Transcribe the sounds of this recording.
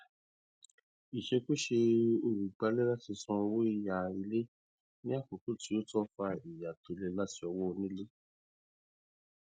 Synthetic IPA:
i˨ʃe˧ku˦ʃe˧o˧˨ɾi˨k͡pa˧lɛ˦la˦ti˧sũ˧wo˦i˦˨ja˨i˧le˦ | nĩ˦a˦˨ko˨tu˦ti˨˦o˦tɔ˦fa˧i˨ja˨to˧le˦la˦ti˧˦ɔ˧wɔ˦˧nĩ˦le˦

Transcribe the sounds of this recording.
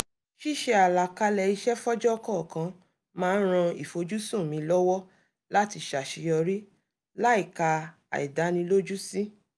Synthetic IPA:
ʃi˦˨ʃe˧a˨la˨ka˧lɛ˨i˧ʃɛ˦fɔ˦d͡ʒɔ˦kɔ˦˨kã˧˦ | mãː˦˧n̩˦ɾ̃ã˧i˨fo˧d͡ʒu˦sũ˦˨mĩ˧˦lɔ˦wɔ˦ | la˦ti˧ʃa˨ʃi˨˧˦jɔ˧ɾi˦ | la˦i˦˨ka˧ | a̰˨ɛ̰˨da˨˦nĩ˧lo˦d͡ʒu˦si˦

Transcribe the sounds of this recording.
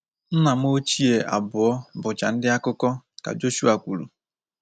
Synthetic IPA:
n̩˦na˨m̩˦o˦t͡ʃi˦e˨a̰˨bʊ˨ɔ˦bʊ˨t͡ʃa˨n̩˦dɪ˦a˦kʊ˦kɔ˦ka̰˨d͡ʒo˦ʃu˦a˨kʷu˨lṵ˨

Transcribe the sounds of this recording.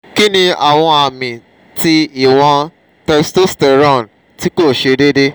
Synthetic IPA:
ki˦nĩ˧a̰˨w̃ɔ̃˧a˨mĩ˨ | ti˦i˦˨w̃ɔ̃˧ | tɛ˧sto˦stɛ˧˨ɾɔ̃˦˨n | ti˦ko˦˨ʃe˧de˦de˦

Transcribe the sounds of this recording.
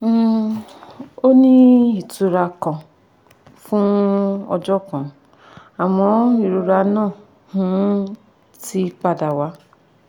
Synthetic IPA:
o˦nĩ˦i˨tu˧ɾa˧kã˧ | fũ˦ɔ̰˧d͡ʒɔ˦kã˨ | a˨w̃ɔ̃˨˦i˦˨ɾo˧ɾa˧nã˦˨ | hũ˨˦ | ti˦k͡pa˧˨da˨wa˨˦

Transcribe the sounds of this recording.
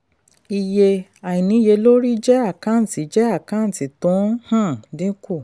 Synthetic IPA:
i˧je˧a˨i˨nĩ˨˦je˧lo˦ɾi˦d͡ʒɛ˦a˦˨kã˦n̩˨ti˨˦d͡ʒɛ˦a˦˨kã˦n̩˨ti˨tũ˨˦hã˦˨dĩ˦ku˦˨

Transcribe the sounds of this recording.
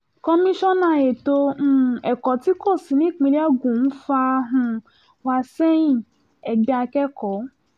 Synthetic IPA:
kɔ˧mĩ˦ʃɔ̃˦nã˦˨je˨tõ˧˦˨ɛ˨kɔ˨ti˦ko˦˨si˨nĩ˦˨k͡pĩ˧lɛ˦ɡũ˨n̩˦fa˧ɦũ˧ | wa˧sɛ˦jĩ˦˨ | ɛ˨ɡ͡ba˧kɛ˦kɔ˨˦

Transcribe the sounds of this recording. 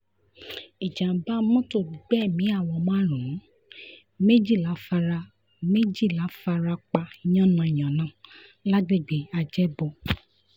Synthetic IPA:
i˨d͡ʒã˨ba˦mɔ̃˦to˦˨ɡ͡bɛ˦˨mĩ˨˦a˦˨wɔ˧mã˦˨ɾũ˨˦ | me˦d͡ʒi˦˨la˨˦fa˧ɾa˧ | me˦d͡ʒi˦˨la˨˦fa˧ɾa˧k͡pa˧j̃ɔ̃˦˨nã˧˨j̃ã˨nã˨˦la˦ɡ͡be˦˨ɡ͡be˨˦a˧d͡ʒɛ˦bɔ˧

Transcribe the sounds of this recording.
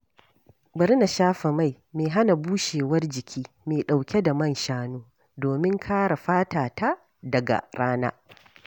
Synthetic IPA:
bɐ˦ɾna˨ʃaː˦ɸe˨ma˦˨j | meː˨ɦa˦na˨buː˦ʃeː˨wɐ˦rd͡ʒɪ˨kʲʰiː˦ | meː˨ɗa˨wkʲe˦da˨mɐ˦˨nʃaː˦noː˦ | doː˨mɪ˦ŋkʰaː˦ɽa˨ɸaː˦taː˨ta˦ | dɐ˨ɡa̰˨ɾaː˦na̰ː˦

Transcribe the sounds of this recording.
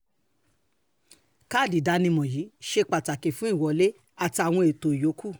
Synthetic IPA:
ka˦˨di˨da˧nĩ˧mɔ̃˨ji˨˦ʃe˧k͡pa˨ta˨ke˨fũ˨˦i˦˨wɔ˨le˦ | a˨ti˧a˨w̃ɔ̃˧e˨to˨jo˨˦ku˦˨

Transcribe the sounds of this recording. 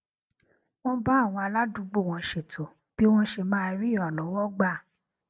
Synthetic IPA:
w̃ɔ̃˦ba˦˨w̃ɔ̃˧a˧la˦du˨˦ɡ͡bo˦˨w̃ɔ̃˧ʃe˨tʰo˨ | b̥i˦w̃ɔ̃˦ʃe˧mãː˦˧ɾĩ˦˨lɔ˨˦wɔ˦ɡ͡ba˦˨

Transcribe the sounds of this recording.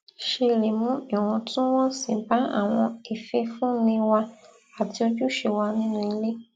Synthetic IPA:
ʃe˧le˨mũ˦ɛ˨w̃ɔ̃˧tũ˦w̃ɔ̃˦sĩ˨ba˨˦a̰˦˨w̃ɔ̃˧e˨fe˧fũ˦nĩ˧wa˧ | a˨ti˧o˦d͡ʒu˦ʃe˨wa˧nĩ˦nũ˧i˧le˦

